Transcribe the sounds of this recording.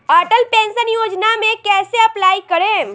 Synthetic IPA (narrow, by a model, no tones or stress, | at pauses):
aːʈəlpẽːnsənjoːd͡ʒnamẽkɛːseɐplaːikɐɾẽː